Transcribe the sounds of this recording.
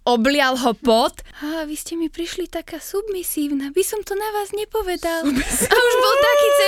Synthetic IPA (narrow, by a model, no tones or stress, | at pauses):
ɔblɪalɦɔpɔt̪aːʋiscɛmipɾiʃlit̪akaːsubmisiːʊnabisɔmt̪ɔnaʋaːzɲɛpɔʋɛd̪albɛauʒbɔlt̪akiːt͡s